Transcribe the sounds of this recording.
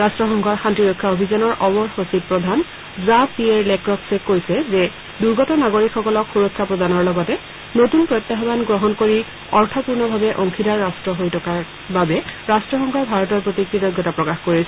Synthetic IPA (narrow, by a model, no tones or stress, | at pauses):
ɹastɹɔxɔŋkʰɔɹxantɹiɹɔjkʰːaobʱizanɔɹʔɔbɔɹxosit̚pɹɔdʱan | zapiɛɹlɛkɹɔksɛkːoɹisɛzɛ | duɹɡɔtɔnaɡoɹikʰxɔkɔlɔkxuɹɔkʰːapɹɔdanɔɹlɔɡɔtɛ | notunpɹɔjt̪ːaɦɔbanɡɹɔɦɔnkoɹi | ɔɹtʰɔpuɹnɔbʱabɛʔɔŋkʰidaɹːastɹɔɦojtʰɔkaɹ | babɛɹastɹɔxɔŋkʰɔɹbʱaɹɔtɔɹpɹotikɹitɔɡɔtapɹɔkaxkoɹisɛ